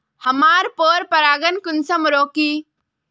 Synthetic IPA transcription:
hɐmaːɾpoːɾpɐɾaːɡənkʊnsɐmɾoːkiː

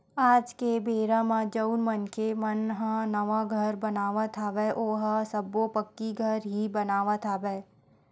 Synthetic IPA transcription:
aːd͡ʒkebeːɾãmãd͡ʒəʊnmənkʰemənɦə̃nəʋaɡʱəɾbɐnaːʋat̪ʰaʋɛːʔoːɦəsəbopəkːiɡʱəɾɦibɐnaːʋat̪ʰabɛː

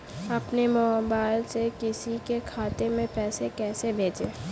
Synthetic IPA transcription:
ɐpnemɔːbaːɪlsekɪsikekʰaːt̪emẽpɛːsekɛːsebʱeːd͡ʒeː

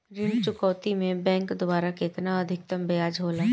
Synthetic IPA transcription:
ɾɪnt͡ʃʊkɔːt̪imẽbɛ̃ːŋkd̪obaːɾaket̪naɐd̪ʱɪk̚t̪ɐmbejaːd͡ʒɦoːlaː

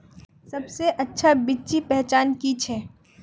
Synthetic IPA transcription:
sɐbseʔɐtːʃʰabit͡ʃipɛɦt͡ʃaːnkit͡ʃʰɛː

